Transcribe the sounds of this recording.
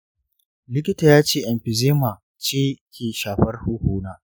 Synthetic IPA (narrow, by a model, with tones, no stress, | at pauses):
lɪ˦k̬ʲɪ˦taː˨jaː˦t͡ʃeː˦˨ʔɛ˨mɸɪ˨zeː˦maː˨ | t͡ʃeː˦kʲʰeː˨ʃaː˨ɸɐ˦rhuː˦huː˦naː˦